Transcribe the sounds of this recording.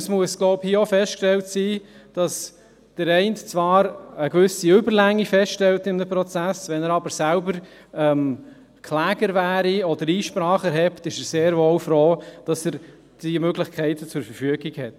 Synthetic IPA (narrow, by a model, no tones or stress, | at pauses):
smuəsɡ̥loʊphiəɔfɛstkʃtɛltsiːd̥ɑs | d̥əɾɛɪntt͡sʋɑːɾəkʋʏsiʏbəɾlæŋːifɛstʃtɛltɪmdəpɾɔt͡sæsʋɛnəɾɑbəɾsælbəɾ | ɛm | kʰlæːɡ̥əɾvæːɾiɔdəɾiːʃpɾɑːχɛɾɦɛptɪʃəɾseːɾvowfɾoːd̥ɑsəɾ | d̥imøɡlɪχkʰɛɪtət͡sʊɾfəɾfyəɡikhɛt